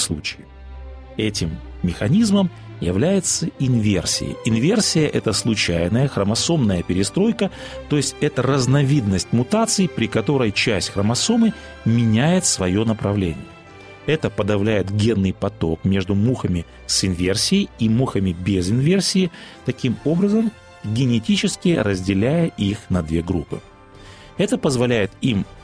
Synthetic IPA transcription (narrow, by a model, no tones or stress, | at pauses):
slˠṵt͡ɕɪɪ | ɛtʲɪmːʲ | ɪxɐnʲizməm | jɪ̰vlʲæjɪt̪səɪnvʲḛrsʲɪ̰jɪ̰ɪnvʲe̞rsʲɪjəʔɛt̪əslˠʊt͡ɕæjnəjəxɾəmɐso̞mnəjəpʲɪɾʲɪst̪ɾo̞jkət̪ojɪsʲtʲɛt̪əɾəznɐvʲid̪nəsʲtʲmʊt̪at̪sɨɪpɾʲɪkɐt̪o̞ɾəjt͡ɕæsʲtʲxɾəmɐsomɨ | mʲɪnʲæjɪt̪svɐjo̞nəpɾɐvlʲḛnʲɪ̰jə | ɛt̪əpəd̪ɐvlʲæjɪt̪ɡʲe̞nːɨjpɐt̪o̞kmʲe̞ʐd̪ʊmuxəmʲɪ | sɪnvʲe̞rsʲɪɪimuxəmʲɪbʲezɪnvʲersʲɪɪt̪ɐkʲimo̞bɾəzəm | ɡʲɪnʲɪtʲit͡ɕɪskʲɪɾəzʲdʲɪlʲæjəʔixnɐd̪vʲeɡɾṵpːɨ̰ | ɛt̪əpəzvɐlʲæjɪt̪im